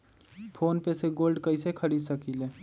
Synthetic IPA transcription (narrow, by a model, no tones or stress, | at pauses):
pʰoːnpeseɡoːlɖkəɪsekʰəɾiːd̪səkile